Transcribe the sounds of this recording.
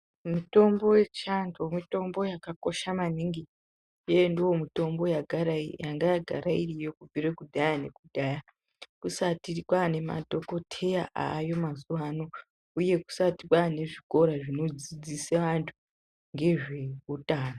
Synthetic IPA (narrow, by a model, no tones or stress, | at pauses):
mito̞mbo̞we̞t͡ʃantʰomito̞mbo̞jakako̞ʃamaniŋɡi | jendiwo̞mito̞mbo̞jaɡʱaɾajaŋɡajaɡʱa̰ɾairijo̞kubirekudʱajane̞̰kudʱaja | kusatirikwane̞ma̰dʱo̞ko̞tʰe̞jaʔa̰ːjo̞mazuʋano̞ | uje̞ku̥satikwane̞ʐiko̞ɾaʐino̞d͡zid͡ziseʋantʰu̥ | ŋɡe̞ʐe̞utaːno